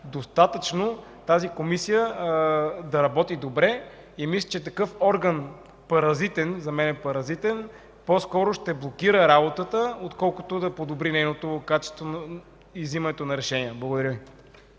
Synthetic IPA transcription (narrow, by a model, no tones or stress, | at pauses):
d̪ost̪at̪ət͡ʃnot̪azikomisijə | d̪ɐɾɐbɔt̪id̪obɾɛ | imislʲə̥t͡ʃɛt̪ɐkɤfɔɾɡɐn | pɐɾɐzit̪ɛnzɐmɛnɛpɐɾɐzit̪ɛn | poskɔɾʊʃt̪ɛblˠokiɾəɾabot̪ət̪əot̪kɔlˠkʊ̥t̪od̪ɐpod̪obɾinɛjnot̪okat͡ʃɛ̥st̪von | izimɐnɛt̪onɐɾɛʃɛniəblˠɐɡod̪ɐɾʲjəvi